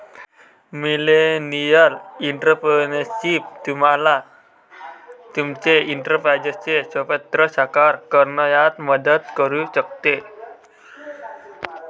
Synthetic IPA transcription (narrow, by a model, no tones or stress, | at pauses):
milenialint̪əpənet͡ʃip̚d̪̥umala | t͡ʃumt͡ʃeint̪ərpad͡ʒət͡ʃet͡ʃɔpɛt̪ːɾɔt͡ʃakarkərnɔjat̪̚mɔdət̪̚kɔɾut͡ʃək̚t̪e